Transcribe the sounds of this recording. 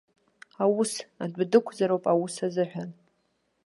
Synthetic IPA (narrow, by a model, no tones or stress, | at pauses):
awusadʷdɨkʷʰd͡zaɾowpʼawusazɨħʷᶣan